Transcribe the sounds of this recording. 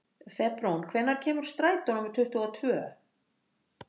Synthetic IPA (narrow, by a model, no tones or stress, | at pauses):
fɛpɾownkʰvɛnːaɾ̥cʰɛːmʏɾ̥st̪ɾaːjt̪ɔnʏmɪ̥t̪ʰʏht̪uɔt̪ʰvœː